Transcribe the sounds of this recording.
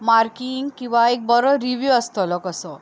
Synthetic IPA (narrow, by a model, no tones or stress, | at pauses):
maɾkiŋɡkĩw̃ʋaek̚bɔɾɔɾiʋjuəst̪ɔlɔkəsɔ